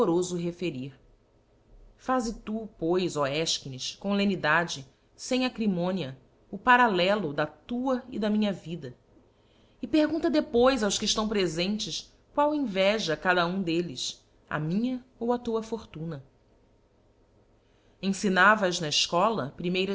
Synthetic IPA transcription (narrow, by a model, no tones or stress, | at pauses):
oɾozʊɦefeɾiɾ | fazɪt̪upojzoɛʃkiniʃkõlẽnid̪ad͡ʒɪ | sẽj̃akɾimõniɐ | ʊpaɾalɛlʊd̪ɐt̪uɐid̪ɐmĩɲɐvid̪ɐ | ɪpeɾɡũnt̪ɐd̪epojzawskɪʃt̪ɐ̃w̃pɾezẽnt͡ʃɪs | kwawẽvɛʒɐkad̪ɐũd̪elɪs | ɐ̰mĩɲɐowɐt̪uɐfoɾt̪ũnɐ | ẽsinavɐʒnɐɪʃkɔlɐpɾimejɾɐ